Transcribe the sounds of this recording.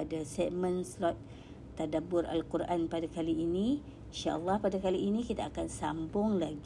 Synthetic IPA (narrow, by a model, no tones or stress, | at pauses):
adasɛmə̃nslɔt̪̚ː | adabʊrʔa̰lkurʔanpadakaliːni | iʃaʔəlːɑhpadakaliːnikit̪aakansambʊŋlaɡ